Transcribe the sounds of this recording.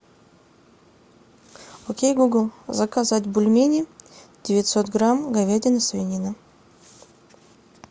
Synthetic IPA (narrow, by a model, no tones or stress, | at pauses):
okʲejɡuɡəlˠzɐkazatʲbʊlʲmʲenʲɪdʲɪvʲɪt̪ʲsot̪ɡɾamɡɐvʲedʲɪnəsvʲɪnʲinə